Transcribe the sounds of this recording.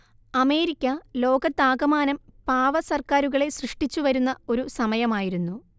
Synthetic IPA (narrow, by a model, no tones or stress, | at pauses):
ɐme̞ːɾikʲːɐlo̞ːɡɐt̪ːaːɡɐmaːnɐmpaːʋɐsɐrkaːɾuɣɐɭe̞srɨʂʈit͡ɕːuʋɐɾunːɐo̞ɾusɐmɐjɐmaːjiɾunːu